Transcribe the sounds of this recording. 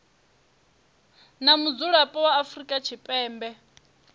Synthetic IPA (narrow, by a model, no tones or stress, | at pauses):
namud͡zuɺapʼɔwaːfrikʼat͡ʃʰipʼɛːmbɛ